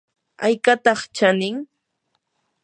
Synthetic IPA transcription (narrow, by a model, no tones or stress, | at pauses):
ajkat̪ɑχt͡ʃanɪŋ